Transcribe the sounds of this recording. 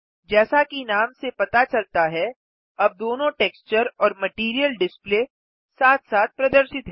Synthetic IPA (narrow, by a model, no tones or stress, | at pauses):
d͡ʒɛːsakinaːmsepɐt̪at͡ʃɐlt̪aɦɛ | ɐb̚d̪oːnõʈeːkst͡ʃəɾɔːɾmɐʈiːɾijəlɖɪspleː | saːt̪ʰsaːt̪̚pɾɐd̪əɾʃɪt̪ɦɛ